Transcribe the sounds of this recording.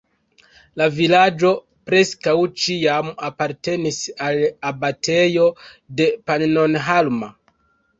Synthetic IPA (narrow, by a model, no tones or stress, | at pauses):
lavilad͡ʒo̞ | pɾe̞skawt͡ʃiamapaɾte̞nisalabatʰe̞jo̞de̞pannonɦalma